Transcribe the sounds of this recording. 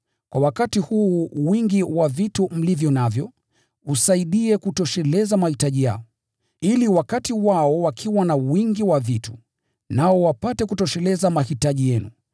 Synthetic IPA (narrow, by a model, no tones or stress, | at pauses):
kwawakatihuːwiŋɡiwavitum̩livjɔnavjɔ | usaiɗiɛkutɔʃɛlɛzamahitaʄija̰ɔ | iliwakatiwaɔwakʰiwanawiŋɡiwavitu̥ | naɔwapatɛkutɔʃɛlɛzamahitaʄijɛnṵ